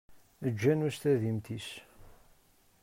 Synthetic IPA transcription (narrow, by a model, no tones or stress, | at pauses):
əd͡ʒːænust̪æðimt̪is